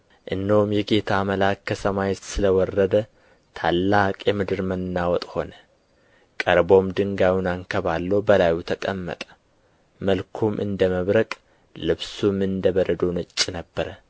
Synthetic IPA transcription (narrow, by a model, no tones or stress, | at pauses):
ʔɨnːəhumjɛɡe̞t̪ʰaməlakːəsəmajet̪sɨləwɔrːəd̪ə | t̪ʰalːakʼjɛmɨd̪ɨɾmənːawɔt̪ʼho̞nə | kʼəɾbo̞md̪ɨŋɡawunaŋkʰəβalːobəlajut̪ʰəkʼəmːə̰t̪ʼə̥ | məlkʰumʔɨ̰nd̪əməβɾəkʼ | lɨβsumɨnd̪əβəɾəd̪onɨt͡ʃʼːnəbːəɾə